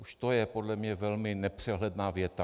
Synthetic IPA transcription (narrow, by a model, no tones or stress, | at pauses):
ʔuʃt̪ojɛpodlɛmɲɛvɛlmɪnɛpr̝̥ɛɦlɛdnaːvjɛt̪a